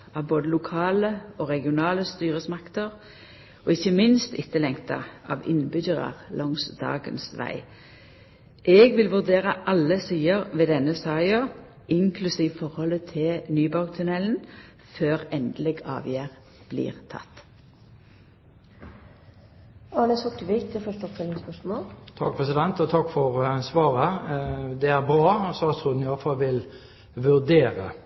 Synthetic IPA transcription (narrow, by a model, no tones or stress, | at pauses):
ɑːʋboːd̪əlʊkʰɑːləoːʁɛɡɪʊnɑːləst̪yːʁəsmɑkt̪əʁ | oːɪçəmɪnst̪ɪt̪ːəlɛŋt̪ɑ̰ʔɑ̰ːʋɪ̰nbʏçəʁɑ̰ʁlʔɔŋsd̪ɑ̰ːɡə̰nsʋæ̰ɪ | ʔɛːɡʋɪlʋʉʁd̪eːʁəʔɑlːəsiːəʁʋeːd̪ɛnəsɑːɪo | ʔɪŋkʰlʉsiːʋəfɔʁhɔlət̪ʰɪnyːbɑʉɡt̪ʰʉnɛln̩ | føːʁɛnd̪lɛɡɑ̰ːʋjæːʁ | b̥lḭːʁt̪ʰɑ̰t̪ː | ɑːnəsʊkʈ̪əʋɪkt̪ʰɪfœʂʈəɔpt̪ʰɛlɪŋspœʂmoːlt̪ʰɑk̚pʰʁɛsɪd̪ɛnt̪ɔt̪ʰɑkːfɔʁsʋɑːʁə | d̪ɛæʁbʁɑːsɑt̪ʰʁuːd̪n̩ɪɑləfɑlʋɪl | ʋʉʁd̪eːʁə̰